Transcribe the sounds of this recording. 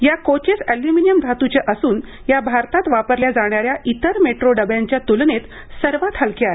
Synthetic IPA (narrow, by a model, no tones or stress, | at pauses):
jakot͡ɕesæljuminijəmd̪ʱat̪ut͡ɕeʔəsuːn | jabʱaɾt̪at̪ʋapəɾljad͡zaɽ̃aɾjaʔit̪əɾmeʈɾoɖəbjaɲt͡ɕjat̪ulnet̪ | səɾʋat̪ʰhəlkeaɦe